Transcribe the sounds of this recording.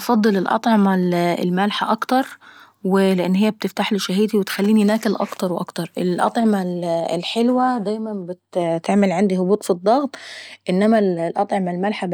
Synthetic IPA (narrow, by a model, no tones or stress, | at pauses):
fɑd̪ˤːɨlɪlʔɑ̰t̪ˤʕɑmal̰lmælħaʔɑkt̪ɑɾˤ | wɪlɪʔɪnːɦɪjːæb̚t̪ɪft̪aħliʃaɦiːt̪iwɪt̪xælːiːninæːkɪlʔɑ̰kt̪ɑɾˤwʔɑ̰kt̪ɑɾˤʔɪlʔɑ̰t̪ˤʕɑmallħelwæd̪æːjmænbɪt̪t̪ɪʕmɪlʕand̪ihʊbuːt̪ˤfid̪ˤːɑɣt̪ˤʔɪnːæmællʔɑt̪ˤʕɑmalmælħa